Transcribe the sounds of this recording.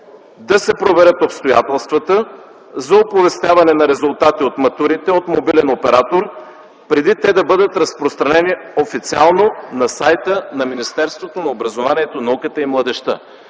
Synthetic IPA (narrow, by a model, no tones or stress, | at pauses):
d̪ɐsɛpɾovɛɾət̪opst̪oja̰t̪ɛlˠst̪vət̪ə | zɐopovɛst̪ʲjavɐnɛnɐɾɛzʊlˠt̪at̪iot̪mɐt̪uɾit̪ɛot̪mobilɛnopɛɾat̪oɾ | pɾɛd̪it̪ɛd̪ɐbɤd̪ət̪ɾɐspɾost̪ɾɐnɛniofit̪sialˠnonɐsajt̪ənɐminist̪ɛɾst̪vot̪onɐobɾɐzovaniɛt̪onɐukət̪əimlˠɐd̪ɛʃt̪ə̰